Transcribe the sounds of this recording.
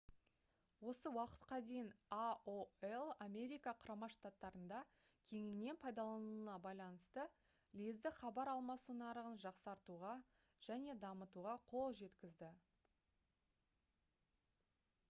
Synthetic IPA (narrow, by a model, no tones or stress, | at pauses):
wo̞səwɑqə̥t̪qɑd̪e̞jɪnaoelˠamʲe̞ɾijkaqʰʊɾɑmɑʃt̪at̪ːɑɾənd̪ɑ | kʲʰe̞ŋɪne̞npʰɑjd̪ɑlˠɑnuənɑbɑjlˠɑnəst̪ə | lʲizd̪ɪχɑbɑɾɑlˠmɑsunɑɾəʁənʒɑqsɑɾt̪uʁɑ | ʒ̥æne̞d̪ɑmət̪uʁɑqʰo̞lˠʒe̞t̪kʲɪzd̪ɪ